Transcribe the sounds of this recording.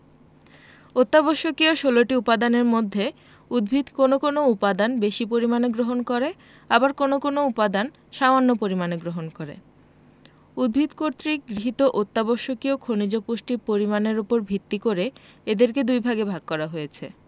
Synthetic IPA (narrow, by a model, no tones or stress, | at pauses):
ot̪ːaboʃokioʃoloʈiupad̪aneɾmod̪ʱːe | ud̪̚bʱid̪konokonoupad̪anbeʃipoɾimaneɡɾoɦonkɔɾe | abaɾkonokonoupad̪an | ʃamanːopoɾimaneɡɾoɦonkoɾḛ | ud̪̚bʱid̪koɾt̪ɾiɡɾiɦit̪oʔot̪ːaboʃokiokʰonid͡ʑopuʃʈiɾpoɾimaneɾupoɾbʱit̪ːikoɾeed̪eɾked̪ujbʱaɡebʱaɡ̚kɔɾaɦojet͡ɕʰe